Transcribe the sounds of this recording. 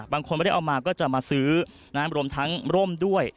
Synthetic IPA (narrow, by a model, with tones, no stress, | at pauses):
baː˧ŋkʰo˧n˧˥˩ʔa˧wmaː˧kɔː˥˩t͡ɕa˨˩maː˧sɯː˦˥ | naː˦˥mɾu˧əmt̪ʰa˦˥ŋɾo˥˩mdu˥˩əj